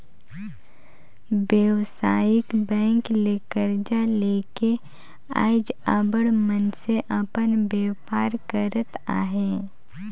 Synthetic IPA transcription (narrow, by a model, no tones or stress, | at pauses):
bjəwsaːjɪkbɛ̃ːŋkleːkəɾd͡ʒaleːke | a̰ːɪd͡ʒaːbəɽmənseʔəpənbeːpaːɾkəɾət̪aːɦeː